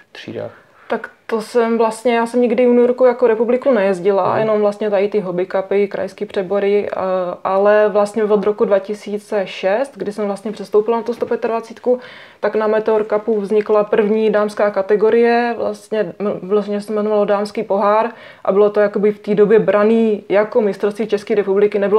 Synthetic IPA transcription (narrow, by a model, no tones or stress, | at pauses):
t̪r̥ḭːda̰ | t̪akt̪osɛmvlast̪ɲɛjaːsɛmɲɪɡdɪunujoɾkujakoɾɛpublɪkunɛjɛzɟɪla̰jʔɛ̰no̞mvlast̪ɲɛt̪aɪt̪ɪɦobɪkapɪkɾa̰jskiːpr̥ɛbo̞ɾɪʔalɛvlast̪ɲɛvod̪ɾo̞kudvacɪsiːt͡sɛʃɛst̪ɡdɪsɛmvlast̪ɲɛpr̥ɛst̪owpɪlanat̪ust̪opjɛt̪advat͡siːt̪ku | t̪aknamɛt̪ɛoɾkapuvzɲɪklapr̩vɲiːdaːmskaːkat̪ɛɡo̞ɾɪjɛvla̰st̪ɲɛvɪloʒɛɲɛɛsɛmɛnovalodaːmskiːpo̞ɦaːɾ | ʔa̰bɪlot̪ojakobɪft̪iːdo̞bjɛbɾaniːjakomɪst̪ɾofst̪viːt͡ʃɛskiːɾɛpublɪkɪnɛbɪlo